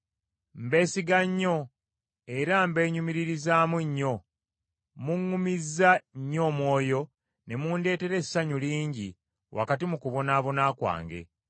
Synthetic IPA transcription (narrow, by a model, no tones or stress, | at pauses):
mbe̞ːsiɡaɲːo̞ | e̞ɾambe̞ːɲumiɾiɾizaːmuɲːo̞ | muŋːumizːaɲːo̞ːmwo̞ːjo̞ | ne̞muːnde̞ːte̞ɾe̞sːaɲuliːɲɟi | wʔa̰katimukuβo̞naːβo̞naːkwa̰ːŋɡe̞̰